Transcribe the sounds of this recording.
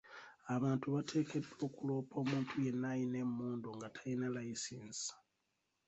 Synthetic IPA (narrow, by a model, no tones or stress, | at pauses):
aβaːntuβatʰe̞ːkʰe̞do̞kulo̞ːpʰo̞ːmuːntʰuje̞nːajine̞mːuːndoŋɡatʰainalajisiːnsḁ